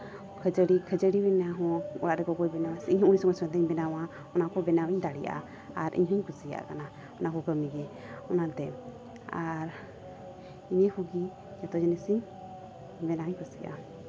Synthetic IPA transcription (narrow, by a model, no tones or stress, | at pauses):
kʰəd͡ʒəɽikʰəd͡ʒəɽiwɛnaɦɔ̃ɔ̰ɽaʔɾɛkɔɡɔjbɛnawasiɲhɔŋunisɔŋɡɔsɔɛnd̪ɛɲbɛnawa | ɔnakɔbɛnawiɲd̪aɽḭja̰ | aɾʔḭɲɦɔɲkusija̰ʔkana | ɔnakɔkəmiɡɛ | ɔnad̪ɛ | aɾ | iɲɛhuɡi | d͡ʒat̪ɔd͡ʒɛnɛsiɲ | bɛnawiɲkusijʔa̰